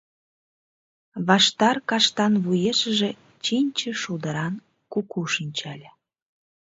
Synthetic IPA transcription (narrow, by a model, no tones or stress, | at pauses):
βɑʃt̪ɑrkɑʃt̪ɑnβujeʃəʒĕ | t͡ɕinʲt͡ɕə̆ʃud̪əɾɑn | kukuʃinʲt͡ɕælʲə